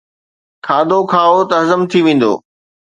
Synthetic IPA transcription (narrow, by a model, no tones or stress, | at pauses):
kʰaːd̪okʰaːot̪ɐɦzəmt̪ʰiʋẽːn̆d̪o̰ː